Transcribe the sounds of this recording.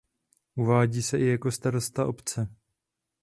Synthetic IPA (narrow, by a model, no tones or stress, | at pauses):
ʔuvaːɟiːsɛʔɪjako̞st̪aɾo̞st̪aʔo̞pt͡sɛ